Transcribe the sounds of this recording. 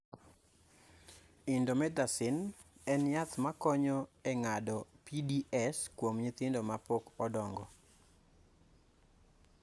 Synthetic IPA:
ɪndomɛd̪asɪnɛnjat̪makɔɲɔɛŋadɔpidiʔɛskwomɲit̪ɪndomapokɔdɔŋɡɔ

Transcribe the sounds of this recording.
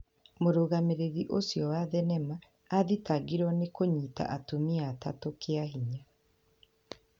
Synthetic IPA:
moɾoɣameɾeɣiʔosjɔwaðɛnɛmaː | ðitaɡiɾwɔnekoɲiːta̰ʔatomiata̰tokʰeaɦiɲa

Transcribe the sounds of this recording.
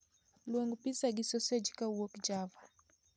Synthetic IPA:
lwɛŋɡupisaɡisɔsɛd͡ʒikauɔkid͡ʒava

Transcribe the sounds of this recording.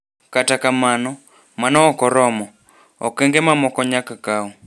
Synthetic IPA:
katakamanɔ | manɔɔkɔɾɔmɔ | ɔkɛŋɡemamɔkɔɲakakaɔ

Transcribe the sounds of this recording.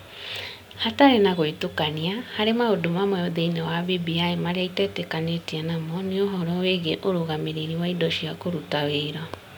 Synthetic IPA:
hataɾenaɣoitokaniahaɾemaodomamɔoðeinewaβibiaemaɾeaitɛtɛkaɲetianamɔneoɦɔɾɔweɣeʔoɾoɣameɾeɾiwaidɔʃiakoɾutaweiɾɔ

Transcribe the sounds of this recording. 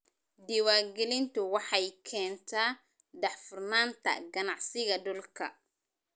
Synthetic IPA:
d̪ɪwaːɡɛlɪnt̪ʊwɑħɑjkʰɛːnt̪ʰaː | ɖɑħfʊrnaːnt̪ʰɐ̰ɡɐnɑʕsɪɣɐɖʊlkʰɐ̰

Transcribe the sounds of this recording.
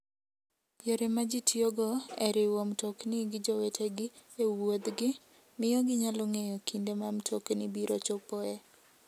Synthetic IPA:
pjoɾemad͡ʒitjoɡɔeɾɪwɔmtoknɪɡɪd͡ʒɔwetʰeɡɪ | ewod̪ɡɪ | mɪjɔɡɪɲalɔŋejɔkʰindemamtʰoknɪbiɾot͡ʃopɔe

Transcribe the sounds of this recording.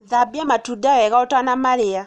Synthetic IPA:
ðabiamatudaɛɣaɔtanamaɾia

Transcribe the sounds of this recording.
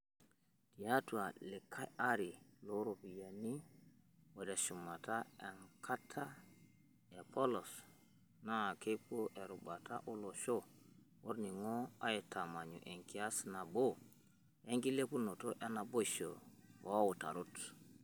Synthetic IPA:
tijatualɛkʰːaaɾiloɾopijani | wadaʃumːataɛnkʰatʰːa | ɛpɔlɔs | nakekoʔɛɾuɓata̰ʔulɔʃɔ | ʔoɾniŋɔajɛtʰamaɲṵʔɛŋkiasnabo | eŋkilekunɔtɔʔɛnaboʃɔ̰wawuta̰ɾut

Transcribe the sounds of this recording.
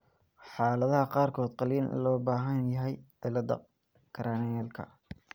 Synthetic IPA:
ħɑːlɐðɐhɐqɑːrkʰɔːd̪qɑliːnlɔːbaːɦɐnjɐɦɛj | ɛlɐd̪ɐ̰ | kʰɐɾanɛːlkʰɐ̰

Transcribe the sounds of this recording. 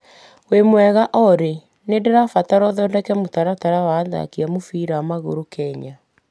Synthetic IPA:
wemwɛɣaʔɔɾe | nedeɾafataɾɔðɔdɛkɛmotaɾataɾawaːða̰kiamofiɾaamaɣo̰ɾokɛɲa

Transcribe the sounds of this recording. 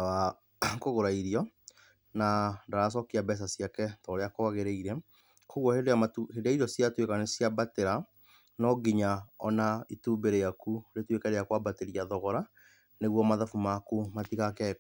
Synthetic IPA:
awa | koɣoɾaiɾiɔ | nadaɾas̬ɔkiabɛs̬asiakɛtɔɾeakɔaɣeɾeiɾɛ | koɣwɔhedoaathedaiɾɔsjatwekanesjabateɾa | nɔɡiɲaɔnaituːbeɾejakuɾetwekaɾejakwabateɾiaðɔɣɔɾa | neɣwɔmaðafumakumatiɣakɛ

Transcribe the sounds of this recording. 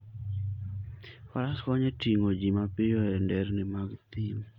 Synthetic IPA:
faɾaskɔɲɛtiŋod͡ʒimapɪjɔɛndɛɾnɪmaɡt̪im

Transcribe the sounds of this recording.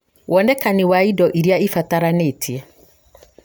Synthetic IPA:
wɔnɛkaniwaidɔʔiɾjaifataɾanetʰiɛ

